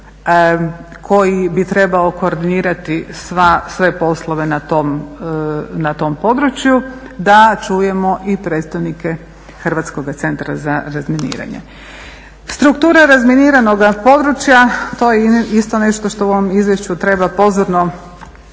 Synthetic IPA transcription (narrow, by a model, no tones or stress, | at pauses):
kʰo̞jibit̪ɾe̞baoko̞ːɾd̪iniːɾat̪isʋasʋe̞po̞slˠoʋe̞nat̪om | nat̪o̞mpo̞d̪ɾut͡ɕju | d̪at͡ʃuːje̞mo̞ʔipɾet̪st̪aʋnike̞ | xrʋat̪sko̞ɡat̪se̞nt̪ɾa̰zaɾazminḭːɾa̰ɲḛ | st̪ɾukt̪uːɾaɾazminiːɾano̞ɡapo̞d̪ɾut͡ʃjat̪o̞jeist̪o̞ne̞ʃt̪oʃt̪ouoʋomizʋjeʃt͡ɕut̪ɾe̞bapo̞zoɾno̞